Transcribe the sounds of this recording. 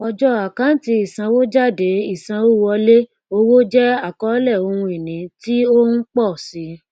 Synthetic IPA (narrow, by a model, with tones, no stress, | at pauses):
ɔ˧d͡ʒɔ˦a˨kã˨˦n̩˦ti˧i˨sã˧wo˦d͡ʒa˦˨de˨˦i˦˨sã˧o˦wɔ˧le˦ | o˧wo˦d͡ʒɛ˦a˦˨kɔ˨˦lɛ˦˨o˧hũ˧i˨nĩ˨˦ti˦o˦n̩˦k͡pɔ˦˨si˨˦